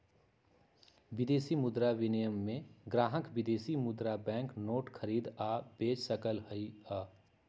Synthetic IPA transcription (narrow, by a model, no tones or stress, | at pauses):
ʋɪd̪eːsimʊd̪ɾaʋɪnɪjəmːẽɡɾaːɦəkʋɪd̪eːsimʊd̪ɾabɛ̃ːŋknoːʈkʰəɾiːd̪aːb̥eːt͡ʃsəkəlɦəiaː